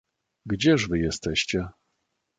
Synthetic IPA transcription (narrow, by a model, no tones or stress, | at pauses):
ɡd͡ʑɛʐvɘjɛst̪ɛɕt͡ɕɛ